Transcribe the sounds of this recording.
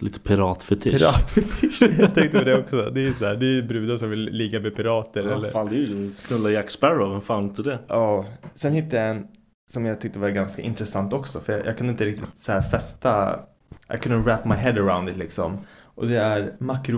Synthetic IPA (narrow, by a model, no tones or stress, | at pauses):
liːt̪ə̥pʰɪɾɑːt̪fɛt̪ʰɪɾɑːt̪fɛt̪ʰɪʂjɑt̪ʰɛŋkt̪əpʰɔd̪ɛɔksɔd̪ɛsæːd̪ɛæbɾʉ̟ːd̪asɔmvɪlːɪɡamɛpʰɪɾɑːt̪əɾɛlːəɾaːnd̪ɛjəkʰnɵlːajæksbæɾɔvʉnfaːnɪnt̪əd̪ɛʔɑːsɛnhɪt̪ːəjaɛn | sɔmjɑɡt̪ʏk̚t̪əvaɾɡanskaʔɪ̰nt̪ɾɛsant̪ɔksɔfœɾjɑjʔɑ̰ɡkʰɵnd̪ɪnt̪əɾɪk̚t̪ɪt̪shæːfɛst̪a̰ | ʔa̰jkʰʊnəɾæpmaɪɦɛd̪əɹaʊnd̪ɪt̪lɪksɔ̰mʔɔd̪ɛæɾmakɾʊ